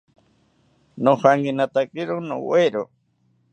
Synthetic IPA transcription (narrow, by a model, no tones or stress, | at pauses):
nofaŋɡinat̪akʼiɾono̰weɾo